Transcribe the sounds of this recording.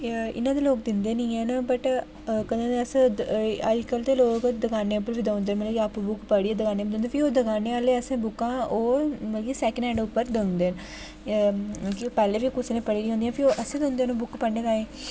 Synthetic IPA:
ɪ̰nãːd̪eːloːk̚d̪ɪnd̪eːniːɛːnabəʈ | kəd̪ãːəs | əd͡ʒkəlt̪eːloːkd̪əɡaːneːʊpːəɾʋiːd̪əːnd̪eːnməlːkiaːpbʊkpəɽiːɛːd̪əkaːneːid̪õneːpʰioːd̪əɡaːneːaːleːəsẽːbʊkːãːoːməkiːsɛːkənɛːɳɖʊpːəɾd̪ə̃nd̪eːn | õkipɛːleːʋiːkʊsneːpəɽiːɾiːɦõːnd̪ijãːpʰɪoʔəsẽːd̪əʊ̃nd̪eːnõːbʊkpəɳɖeːkaːẽː

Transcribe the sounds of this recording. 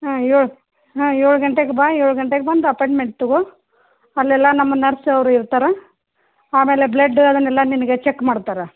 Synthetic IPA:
ɐjoɭ | ɦɐ̃joːɭuɡɐɳʈeɡebaːjoːɭuɡɐɳʈeɡebɐnd̪uɐpojɳʈmeɳʈ̚t̪uɡo | ɐlːɛlːɐnɐmːɐnɐɾsɐʋɾuiɾt̪aːɾe | aːme̞ːleblɐɖːɐd̪ɐnːɛlːɐninɐɡet͡ʃekːmaːɽt̪aːɾe

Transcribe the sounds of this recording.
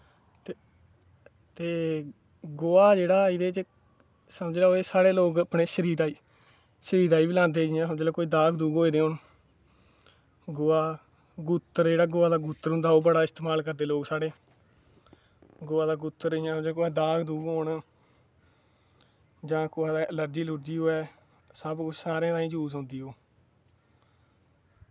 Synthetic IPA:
t̪eː | ɡoːaːd͡ʒeːɽaːid̪eːt͡ʃ | səməd͡ʒlaːoːeːsaːɽeːloːɡəpneːʃəɾiːɾaːiː | ʃəɾiːɾaːiːbilãːnd̪eːd͡ʒɪjãːsəmd͡ʒlaːkoːiːd̪aːkʰd̪uːɡɦoːiːd̪eːɦoːn | ɡoːaː | ɡut̪ːəɾd͡ʒeːɽaːɡʊːaːd̪aːɡuːt̪ːəɾɦõːnd̪aːoːbəɽaːɪst̪eːmaːlkəɾd̪eːloːɡsaːɽeː | ɡʊːaːd̪aːɡʊt̪ːəɾɪjãːd͡ʒeːkoɛːd̪aːkʰd̪uːɡɦoːɳ | d͡ʒãːkʊːaːd̪aːʔələɾd͡ʒiːlʊɾd͡ʒiːɦoːɛː | səbkʊt͡ʃʰsaːɾẽːt̪ãːĩːd͡ʒuːsãːnd̪iːɦoː

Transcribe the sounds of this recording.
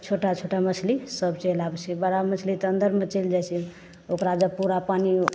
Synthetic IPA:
t͡ʃʰoʈat͡ʃʰoʈamət͡ʃʰlisəbt͡ʃelabɛt͡ʃʰɛbəɽamət͡ʃʰlit̪ə̃nd̪əɾmet͡ʃeld͡ʒajt͡ʃʰɛ | okɾad͡ʒəb̚puɾapani

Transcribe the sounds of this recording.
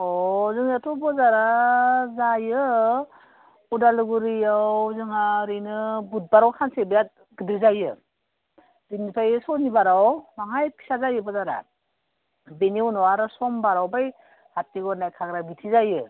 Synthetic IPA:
ɔzɯŋatʰɔbɔzaɾazajɯ | udalɯɡuɾijawzɯŋaɾɯjnɯbut̚baɾawkʰansebɯjat̚ | ɡɯdɾizajɯ | binipʰajsɔnibaɾawmaŋajpʰi̥sazajɯbɔzaɾa̰ | beniunɔaɾɯsɔmbaɾawbaj | hatːiɡɔɾnajkʰaɡɾabitʰizajɯ

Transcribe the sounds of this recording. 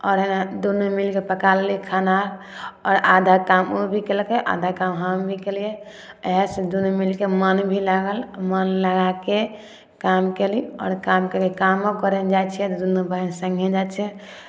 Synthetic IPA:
ɔːɾɦenad̪unumilkepəkalːikʰanaɾ | ɔːɾad̪ʱakamobʱikelkeʔa̰d̪ʱakamɦambʱikelije | əɦɛsẽd̪unumilkemənbʱilaɡəlmənləɡake | kamkeliɔ̰ːɾkamkekekamokəɾɛnd͡ʒat͡ʃʰɛt̪ɔd̪unubəɦnsəŋɡʱed͡ʒat͡ʃʰɛ

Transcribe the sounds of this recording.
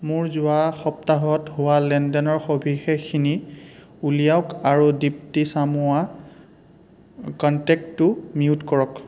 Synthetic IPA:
mʊɹzʊwaxɔp̚taɦɔtɦʊwalɛndɔnɔɹxobʱixexʰini | ulijaʊkaɹudip̚tisamʊa | kɔntɛk̚ːʊmiutkɔɹɔk

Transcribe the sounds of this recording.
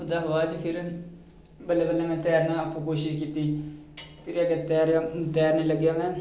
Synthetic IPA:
ʊd̪aːɦʋaːd͡ʒpʰɪɾ | bəlːeːbəlːɛ̃ːmɛ̃ːt̪ɛːɾnãːəpːũːkoːʃɪʃkiːt̪iː | pʰɪɾəɡeːt̪ɛːɾaːt̪ɛːɾnĩːləɡjaːmɛ̃ː

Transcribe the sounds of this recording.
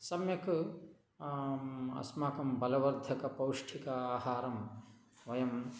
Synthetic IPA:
sɐmjɐk | ɐ̰smaːkɐmbɐlɐʋɐɾd̪ʱɐkɐpɐwʂʈʰikɐaːhaːɾɐm | ʋɐjɐm

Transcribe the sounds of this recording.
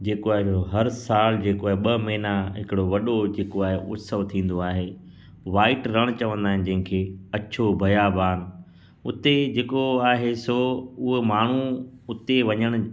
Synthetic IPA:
d͡ʑeːkoaːɦeoɦɐɾsaːld͡ʑeːkoaːɦeɓɐmɐɦɪnaɦɪkɪɽoʋɐɗod͡ʑeːkoaːɦeʔʊ̰t̪səʋt̪ʰĩːn̆d̪oaːɦeː | ʋaːɪʈɾɐɽ̃t͡ɕɐʋə̃nd̪aːɦɪ̃nɪ̆d͡ʑɐ̃ɦɪ̃kʰeːɐt͡ɕʰobʱɐjaːbaːn | ʊt̪ed͡ʑeːkoaːɦesoʊɦemaːɳ̤uʊt̪eʋɐɲəɽ̃ʊ̃̆

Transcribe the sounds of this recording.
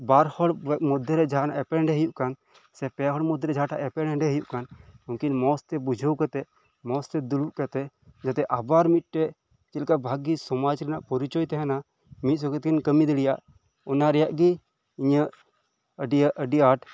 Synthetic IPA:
baɾhɔɽmɔd̪ʱːɔɾɛd͡ʒʱanaʔɛpɛɛɳɖɛɦəjuʔkan | sɛpɛɦɔɽmɔd̪ʱːɛɾɛd͡ʒʱaʈaʔɛpɛɽɛɖɛɦəjuʔkanuŋkinmɔst̪ɛbud͡ʒʱəwkat̪ɛ | mɔst̪ɛd̪uɽuʔkat̪ɛ | d͡ʒat̪ɛʔabaɾmit̪̚ˀʈɛ | t͡ʃɛlkabʱaɡisɔmad͡ʒɾɛnaʔpɔɾit͡ʃɔjt̪ɛɦɛna | mit̪̚sɔkɛt̪̚kinkəmid̪əɽijaʔ | ɔnaɾɛjaʔɡi | iɲəʔ | əɖijaʔəɖiaʈ

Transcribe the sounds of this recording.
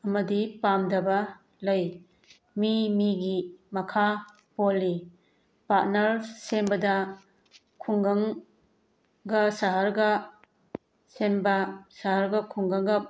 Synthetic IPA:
ɐmɐdipamdɐbɐ | lɐj | mimiɡimɐkʰa | polːi | pat̚nɐɾsembɐdɐ | kʰuŋɡɐŋ | ɡɐsaɦaɾɡɐ | senbɐsaɦaɾɡɐkʰuŋɡɐŋɡɐ

